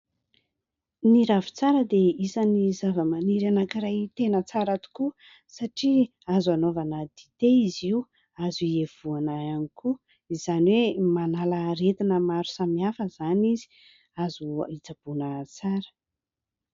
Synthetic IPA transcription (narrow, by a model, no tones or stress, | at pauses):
niɾavi̥t͡saɾəd̪eisanizavəmaniɾanakiɾajt̪enət͡saɾat̪u̥ku | saʈ͡ʂi | azanovanəd̪it̪eiziu | azuiev̥uanaanikʰu | iz̥aniwemanaləɾet̪inəmaɾu̥samiafəzanizi̥ | azuit͡sab̥unət͡saɾə̥